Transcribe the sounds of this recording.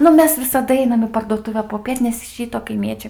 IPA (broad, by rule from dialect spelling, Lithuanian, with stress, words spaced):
ˈnʊ ˈmʲɛs ʋʲɪsɐˈdɐ ˈɛɪnɐm iː pɐrduɔˈtʊʋʲɛ poːˈpʲiɛt nʲɛs ɪʃ ˈrʲiːtoː kɐɪˈmʲiɛt͡ʃʲɛɪ